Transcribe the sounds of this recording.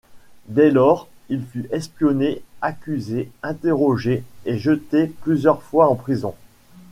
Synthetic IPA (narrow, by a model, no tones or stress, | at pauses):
d̪ɛlɔːʁ | ilfyʔɛspjɔneakʲyzeɛ̃t̪eʁɔʒeeʒət̪eplyzjœʁfwaɑ̃pχizɔ̃